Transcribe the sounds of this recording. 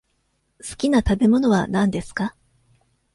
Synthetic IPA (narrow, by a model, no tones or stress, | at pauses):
sɨ̥kʲinat̪abe̞mo̞no̞βanãnd̪e̞sɨ̥ka